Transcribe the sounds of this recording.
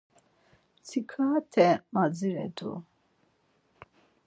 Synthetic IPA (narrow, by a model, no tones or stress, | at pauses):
t͡sʰikʰaːt̪ʰɛmad͡ziɾɛ̰d̪ṵ